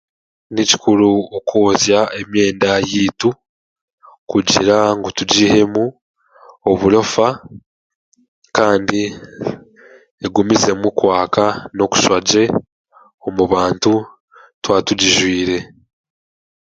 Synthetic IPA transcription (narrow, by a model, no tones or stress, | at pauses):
nici̥kuɾuokʰoːzjae̞mje̞ːndajiːtu | kuɟḭɾaŋɡotuɟihe̞mu | o̞βuɾo̞fa | kaːndi | eɡumize̞mukwaːkano̞ku̥ʃwaɟe̞ | omuβaːntu | twaːtuɟiʒwiːɾe̞